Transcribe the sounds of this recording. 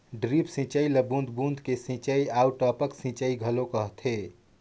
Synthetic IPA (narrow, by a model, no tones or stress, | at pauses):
ɖɾipsĩt͡ʃəiləbũnd̪ʱbũnd̪ʱkesĩt͡ʃəiawʈɔːpəksĩt͡ʃəiɡʱəlokəɦt̪ʰe